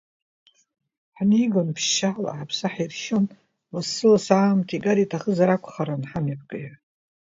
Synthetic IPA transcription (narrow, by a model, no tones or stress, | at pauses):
ħniɡonpʰʃːala̰ʕapʰsaħairʃon | masːɨlasaːmtʰiɡʼaɾitʰaχəzaɾakʷʰχaɾanħamap̚ɡʼɨj